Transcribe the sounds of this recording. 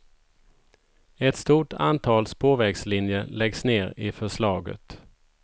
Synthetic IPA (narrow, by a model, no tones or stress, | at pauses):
ɛt̪st̪uːʈa̰nt̪ʰɑːlspʰoːvɛɡslɪnjəlɛɡsneːɾɪfœʂɭɑːɡə̰t̪